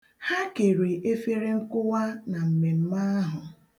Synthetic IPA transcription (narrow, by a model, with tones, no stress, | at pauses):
ha˦ke˨ɾe˨ʔe˦fe˦ɾe˦ŋ̩˦kʊ˦wa˦na˨m̩˨me˨m̩˦ma˦a˦ɦʊ˨